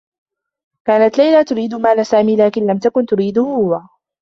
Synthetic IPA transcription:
kaːnat̪lajlaːt̪ʊɾiːd̪ʊmaːlasaːmiːlaːkɪnlamt̪akʊnt̪ʊɾiːd̪ʊhʊwaː

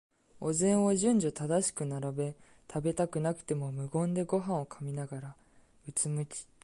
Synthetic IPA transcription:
o̞zẽ̞ɰ̃oʑɨ̃ɲ̟d͡ʑot̪ad̪aɕi̥kɯ̟naɾabe̞ | t̪ʰabe̞t̪akɯ̟nakɯ̟̥t̪e̞mo̞mɯ̟ɡõ̞nd̪e̞ɡo̞ɦãɰ̃o̞kʰamʲinaɡaɾa | ɯ̟t͡sɨmɯ̟kʲi̥

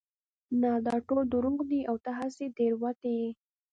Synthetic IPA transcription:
nɑd̪ɑʈod̪uɾuɡd̪iʔawt̪aɦased̪eɾwat̪ej

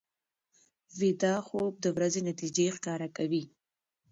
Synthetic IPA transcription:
wid̪ɑxob̚d̪əwɾazenat̪id͡ʒexkɑɾakawi

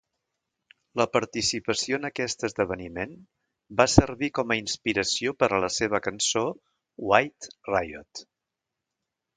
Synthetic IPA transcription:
ləpəɾt̪isipəsioənəkɛst̪əzðəβ̞ənimen | basəɾβikɔməinspiɾəsiopəɾələseβ̞əkənso | wajt̪rajo̰t̪

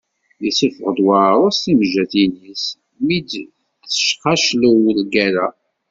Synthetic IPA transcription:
jəsəfəʁəd̪waɾˤʊsiməʒːæθinis | mid̪ | θə̥ʃqaʃləwlɡæɾæ

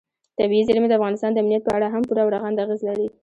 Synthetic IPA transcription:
t̪abiizeɾimed̪əafɣɑnɪst̪ɑnd̪əamnijat̪̚pəaɽaɦampuɾawɾaɣand̪aɣezlaɾi

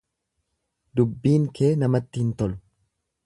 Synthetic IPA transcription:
d̪ʊbːiːŋkʰeːnɐmɐt̪ːɪhɪnt̪ɔlʊ̥

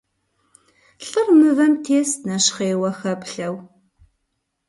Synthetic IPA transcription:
ɬərmɨvɐmtʰestnɐʃχeːwɐxɐpɬɐw

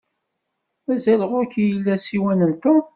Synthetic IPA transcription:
mæzæləʁʊɾkijəlːæsiwænənt̪ʊ

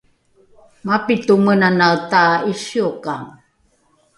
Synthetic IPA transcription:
mapitumənanautaiʃiokaŋ

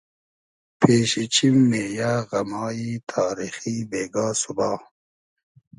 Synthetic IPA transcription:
pʰeːɕit͡ɕʰimːeːjaːɣɐmaːit̪ʰaːɾiːxibeːɡaːsubaː

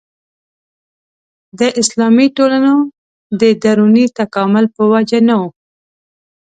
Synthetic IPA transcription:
d̪əʔɪslɑmiʈolano | d̪əd̪aɾunit̪akɑmʊlpəwad͡ʒanawu

